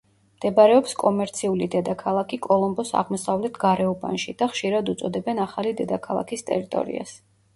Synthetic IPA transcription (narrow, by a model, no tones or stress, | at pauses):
md̪̥ɛbaɾɛɔpskʼɔmɛɾt̪sʰiulid̪ɛd̪akʰalˠakʰikʼɔlˠɔmbɔsa̰ʁmɔsavlɛt̪ʰɡaɾɛuba̰nʃid̪̥aχʃiɾad̪ut̪sʼɔd̪ɛbɛnaχalid̪ɛd̪akʰalˠa̰kʰist̪ʼɛ̰ɾit̪ʼɔ̰ɾḭa̰s